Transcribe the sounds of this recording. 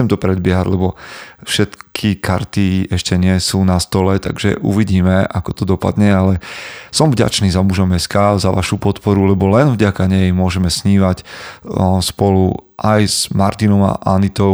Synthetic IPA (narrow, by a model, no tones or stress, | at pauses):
t͡sɛmt̪ɔpɾɛd̪̚bɪɛɦaɟlɛbɔfʃɛt̪kʰikʰa̰ɾt̪iɛʃcɛɲɪɛsuːnast̪ɔlɛt̪a̰ɡʒɛ̰ʔṵʋiɟiːmɛakɔ̥t̪ɔd̪ɔpa̰d̪ɲɛalɛsɔmvɟa̰t͡ʃniːzamuʒɔmɛskazaʋa̰ʃupɔt̪pɔɾulɛbɔlɛnvɟakaɲɛjmʊɔʒɛmɛsɲiːʋac | spɔluʔajzmaɾt̪inɔma̰ʔanit̪ɔ